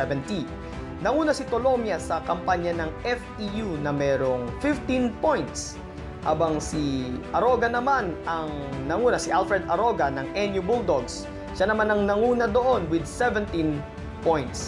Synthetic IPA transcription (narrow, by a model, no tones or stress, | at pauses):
ɛvɛnt̪i | nɐŋuːnɐsɪt̪olo̞mjɐsɐkɐmpaɲɐnɐŋɛft̪ijunɐmɛːɾoŋfɪft̪inpojnt̪s | ha̰ːbɐŋsiʔɐɾo̞ɡɐnɐmanɐŋnɐŋuːnɐsɪʔalfɹɛd̪ɐɾo̞ɡɐnɐŋʔɛnjubuld̪oɡs | ʃanɐmanɐŋnɐŋuːnɐd̪o̞ʔo̞nwɪd̪̚sɛvɛ̃nt̪ĩn | pojnt̪s